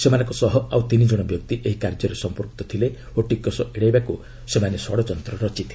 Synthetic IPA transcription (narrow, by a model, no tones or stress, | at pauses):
semanɔ̃ŋkɔsɔɦɔawt̪inid͡ʒɔɽ̃ɔbjɔk̚t̪iʔeɦikaɾd͡ʒɔɾesɔmpɔɾkt̪ɔt̪ʰile | oʈikːɔsɔʔeɽajbaku | semanesɔɽɔt͡ʃɔnt̪ɾɔɾɔt͡ʃit̪ʰile